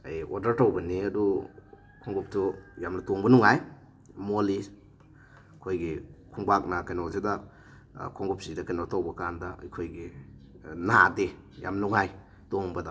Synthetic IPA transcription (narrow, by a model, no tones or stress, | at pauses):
ajoɾdɐɾtawbɐniɐdu | kʰɔŋɡup̚tujamnɐtoŋbɐnuŋaj | moli | kʰojɡikʰuŋbak̚nakajnozedɐ | kʰɔŋɡup̚sidɐkajnotawbɐkandɐɐjkʰojɡi | nade | ja̰mnuŋaj | toŋbɐda